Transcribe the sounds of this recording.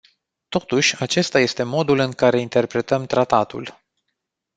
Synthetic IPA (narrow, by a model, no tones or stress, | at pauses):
t̪o̞t̪uʃʲat͡ʃe̞st̪aje̞st̪e̞mo̞d̪ulɨŋkaɾe̞int̪e̞rpɾe̞t̪əmt̪ɾat̪at̪ṵl